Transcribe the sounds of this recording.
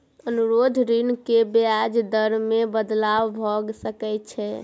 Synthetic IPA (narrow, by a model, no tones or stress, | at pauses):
ənuɾod̪ʱɾinkebead͡ʒd̪əɾmebəd̪lawbʱɔɡsəkɛt͡ʃʰɛ